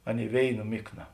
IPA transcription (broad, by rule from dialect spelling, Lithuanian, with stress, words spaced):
ˈɑːˌnʲeːɪ ˈʋʲeːɪˌnɐ ˈmʲɪkˌnɐ